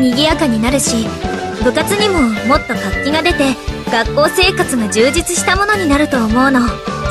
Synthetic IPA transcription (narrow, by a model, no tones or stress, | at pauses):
ɲ̟iɡʲiakaɲ̟inaɾɯ̟ɕibɯ̟kat͡sɨɲ̟imo̞mo̞t̪ːo̞kakʲːiɡad̪e̞t̪e̞ɡ̥akːo̞ːse̞ːkat͡sɨɡoʑɨːd͡ʑit͡sɨɕi̥t̪amo̞no̞ɲ̟inaɾɯ̟t̪o̞ːmo̞ɯ̟no̞